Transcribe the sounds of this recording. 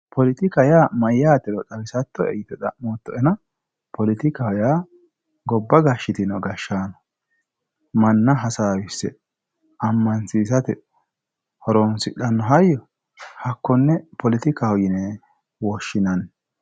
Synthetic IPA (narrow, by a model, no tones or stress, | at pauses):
pʰɔlɪt̪ɪkɐjaːmɐjːaːt̪ɛlɔt̪ɐwɪsɐt̪ːɔɛ̰jɪt̪ɛd̪ɐ̰moːt̪ːɔɛnɐ | pɔlɪt̪ɪkɐhɔjaː | ɡɔbːɐɡaʃːɪt̪ɪnɔɡɐʃːaːnɔ̥ | mɐnːɐɦɐsaːwɪsɛ̰ | ɐmːɐnsiːs̬ɐt̪ɛ | hɔɾonsɪᶑːɐnːɔɦɐjːɔ | hɐkːɔnːɛpʰɔlɪt̪ɪkahɔjɪnɛ | wɔʃːɪnɐn